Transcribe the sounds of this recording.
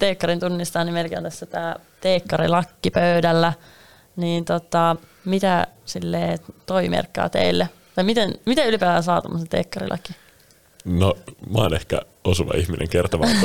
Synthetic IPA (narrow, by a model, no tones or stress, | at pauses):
t̪eːkːɑɾint̪unːist̪ɑːnimelkeo̰nt̪æsːæt̪æː | t̪eːkːɑɾḭlɑkːipøydælːæ | niːnt̪ot̪ɑmit̪æsilːeːt̪oimḛrkːɑ̰ːt̪ḛilːe | t̪ɑmit̪enmit̪æylipæːʋænsɑːt̪omːoset̪ḛːkːɑrḭlʔɑ̰ki | nomɑːnehkæ̰ | osuʋɑ̰içminḛŋkert̪oʋɑ